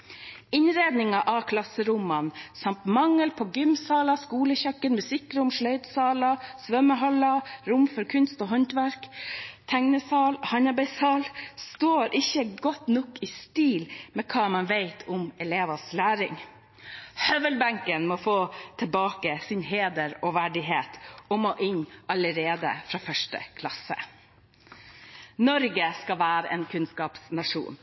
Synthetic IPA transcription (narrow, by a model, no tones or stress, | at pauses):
ɪnɾeːd̪nɪŋɑʔɑkʰlɑsəɾʊmɑnsɑmt̪mɑŋːəlpʰɔɡʏmsɑːlɑskuːləçœkːənmʉsɪkːɾʊmʂɭœʏt̪sɑːlɑsʋœməɦɔlɑɾʊmfɔɾkʰʉnst̪ɔːɦɔnt̪ʋæɾkt̪ʰæŋnəsɑːlhɑnɑbɛɪshɑːlst̪oːɾʔɪçːəɡɔt̪nɔkɪːst̪iːlmɛkʰɑːmɑnʋeɪt̪ʰʊmɛleːʋɑslæːɾɪŋ | hœʋəlbæŋkənmɔfoːt̪ʰɪlbɑːkəsɪnɦeːd̪əɾɔʋæɖɪɦeːt̪ɔmɔʔɪnɑləɾeːd̪ə̰fɾɑːfœʂʈə̰kʰlɑsə̰ | nɔɾɡəskɑʋæːɾəʔeːnkʰʉnskɑːpsnɑʂṵːn